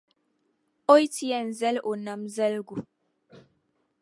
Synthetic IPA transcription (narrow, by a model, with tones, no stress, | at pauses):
o˦jti˦jɛ˨n˨zɛ˦lʔo˨na˨mzɛ˦lɡu˨